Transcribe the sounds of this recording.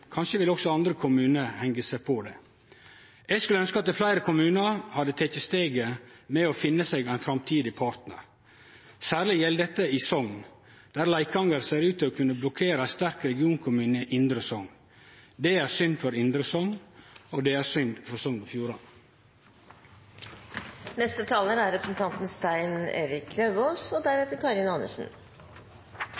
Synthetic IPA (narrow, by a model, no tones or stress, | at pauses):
kʰɑnʃəʋɪlɔksɔɑnd̪ɾəkʰʊmʉːnəhɛŋɡəsæpʰɔd̪ɛ̰ː | ʔɛːɡskʉləœnskəɑt̪̚d̪ɛflæɪɾəkʰʊmʉːnəɾhɑd̪ət̪ʰɛt̪əst̪eːɡəmɛɔfɪnːəseɡæɪnfɾɑmt̪ʰiːd̪ɪpʰɑɾt̪nə̰ɾ | sæːɾɭɪjɛləd̪ɛt̪ːəɪsɔŋ | d̪̥æːɾlæɪkɑŋəɾseːɾʉːt̪ɪɔkʰʉnːəblɔkʰeːɾəæst̪æɾkɾɛɡɪuːnkʰʊmʉːnəʔɪnd̪ɾəsɔŋ | d̪eːæːɾsʏnfɔɾɪnd̪ɾəsɔŋoːd̪ɛæːɾsʏnfɔɾsɔŋɔfjuːɾɑn | nɛst̪ət̪ʰɑːlənæɾɾɛpɾsn̩t̪ʰɑnt̪n̩st̪æɪnḛːɾɪkɾøʋoːsoːd̪æɾet̪əɾkʰɑɾɪnɑnə̰ʂn̩